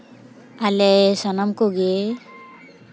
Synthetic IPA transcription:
alɛsɔnamkoɡe

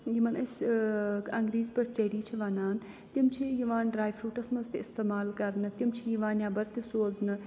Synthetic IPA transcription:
jimɐnɐsʲ | ɐŋɡɾiːzpɐɾt͡ʃɐɦɾiːt͡ʃʰiʋaːnaːn | t̪imt͡ʃʰijiʋãːnɖɾaːjfʰɾuːʈɐsmɐzt̪eɪst̪eːmaːlkɐɾnɨt̪imt͡ʃʰijiʋaːnjaːbɐɾt̪isoːznɨ

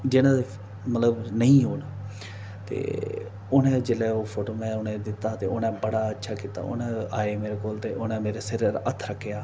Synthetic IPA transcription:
d͡ʒɪnãːd̪e | mət̪ləbnəĩːɦoːn | t̪ḛː | ʊnẽːd͡ʒelɛːoːpʰoːʈoːmɛ̃ːʊnẽːd̪ɪt̪ːaːt̪eːʊnɛ̃ːbəɽaːətːʃʰaːkiːt̪a̰ːʊ̰nãːaːeːmeːɾeːkoːlt̪eːʔʊnɛ̃ːmeːɾeːsɪɾɾət̪ʰːɾəkʰːejaː

